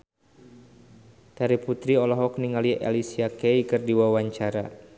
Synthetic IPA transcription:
t̪aɾiput̪ɾiɔlɔɦɔk̚niŋaliʔḛlisiakejkɨrdiwawaɲt͡ʃaɾa

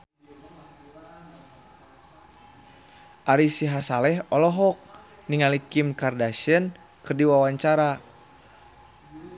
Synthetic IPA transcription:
ʔaɾisiɦasalɛɦɔlɔɦɔk̚ | niŋalikimkardaʃən | kərdiwawaɲt͡ʃaɾa

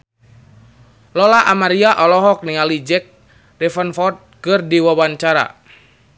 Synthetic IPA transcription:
lɔlaʔamaɾiaʔɔlɔɦɔk̚niŋalid͡ʒɛk̚ | rɛfənfɔrt̪̚kɨrdiwawaɲt͡ʃaɾa̰

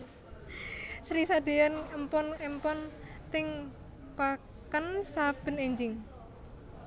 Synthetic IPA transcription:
sɾisad̪̥eanəmpɔnəmpɔnt̪ɪŋ | pa | kənsab̥ə̤neɲd͡ʒɪŋ

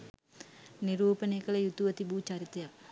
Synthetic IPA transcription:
niɾuːpənejːkələjut̪uʋət̪ibut͡ʃaɾit̪ɐjak

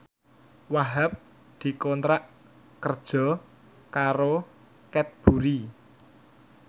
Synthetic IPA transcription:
waɦap̚ | d̪̥i̤kɔnt̪ɾaʔ | kərd̥ʒ̥ɔ̤ | kaɾo | kɛt̪̚b̥ṳɾi

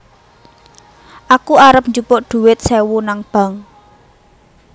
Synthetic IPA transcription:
ʔakuaɾəp̚ɲd͡ʒupʊʔd̪̥ṳwɪt̪̚sewunaŋb̥a̤ŋ

